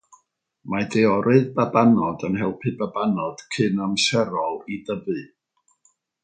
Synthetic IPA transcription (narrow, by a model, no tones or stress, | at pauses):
madɛɔɾɨðbabanɔdənhɛlˠpʰɨbabanɔd̥kʰɨnamsɛɾɔlˠidəvɨ